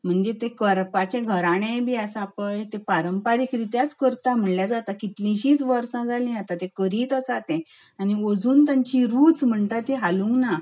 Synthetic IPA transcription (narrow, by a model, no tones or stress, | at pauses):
m̤əɳd͡ʑet̪ekəɾpat͡ɕẽɡʱəɾaɽ̃ẽbʱiːasapəjt̪ẽpaɾəmpaɾikɾit̪jat͡skəɾt̪am̤əɳljad͡zat̪akit̪lĩɕĩːt͡sʋəɾsãd͡zʱalĩat̪at̪ẽkəɾiːt̪əsat̪ẽ | añiəd͡zuːnt̪aɲt͡ɕiɾuːt͡sm̤əɳt̪at̪eɦalũŋɡna